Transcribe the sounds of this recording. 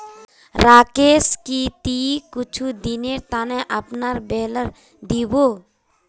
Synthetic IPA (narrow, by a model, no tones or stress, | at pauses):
ɾaːkeskit̪ikʊt͡ʃʰud̪ineɾt̪aneʔəpnaɾbɛɦləɾ | d̪ibo